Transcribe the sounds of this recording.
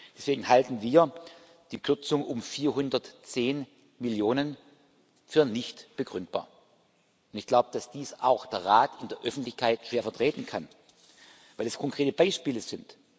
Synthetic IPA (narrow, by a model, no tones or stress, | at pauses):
d̥ɛsv̥eːɡŋ̩haltn̩viːɐ | d̥iːkʰʏɐt͡sʊŋʊmfiːɐɦʊndɐtt͡seːn | mɪljoːnən | fyːɐnɪçtb̥əɡʁʏnt̚b̥a̰ːɐ | ʊntɪçɡ̥laʊbəd̥asd̥iːsaʊxd̥eːɐʁaːtʰɪndeːɐʔœfn̩tlɪçkʰaɪtʃeːɐfɛɐtʁ̥eːtn̩kʰan | vaɪlɛskʰɔŋkʁ̥eːtəb̥aɪʃpiːləzɪnt